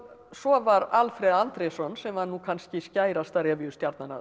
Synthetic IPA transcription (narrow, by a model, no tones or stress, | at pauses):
sɔvaɾalfɾɛðant̪ɾɛsɔnsɛmhanːukʰanscɪscaːjɾast̪aɾɛvɪʏst̪jaɾt̪nanːa̰